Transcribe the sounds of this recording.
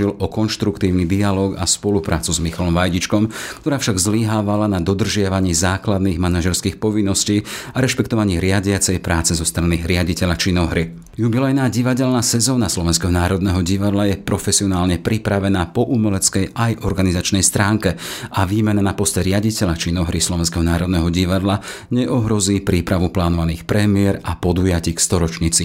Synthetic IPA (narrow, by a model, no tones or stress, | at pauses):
ilʔɔkɔnʃt̪ɾukt̪iːʊnid̪ialɔːɡa̰spɔlupɾa̰ːt͡suzmixalɔmʋajɟit͡ʃkɔmkt̪ɔɾaːfʃaɡzliɦaːʋalanad̪ɔd̪r̩ʒɪaʋaɲiːzaːklad̪niːɣmanaʒɛɾskiːxpɔʋinːɔsciːaɾɛʃpɛkt̪ɔʋaɲiːɾɪaɟɪat͡sɛjpɾaːt͡sɛzɔst̪ɾaniɾɪaɟicɛʎat͡ʃinɔɦɾi | jubilɛjnaːɟiʋaɟɛlnasɛzɔːnaslɔʋɛns̬kɛɦɔnaːɾɔd̪nɛɦɔɟiʋad̪lajɛpɾɔfɛsiɔnaːlɲɛpɾipɾaʋɛnaːpɔʔumɛlɛt͡skɛjajʔɔɾɡanizat͡ʃnɛjst̪ɾaːŋkɛaʋiːmɛnanapɔst̪ɛɾɪaɟicɛʎat͡ʃiːnɔɦɾislɔʋɛns̬kɛɦɔnaːɾɔd̪nɛɦɔɟiʋad̪la | ɲɛʔɔɦɾɔziːpɾiːpɾaʋuplaːnɔʋaniːxpɾɛmɪɛɾapɔd̪ujaciːkst̪ɔɾɔt͡ʃɲit͡si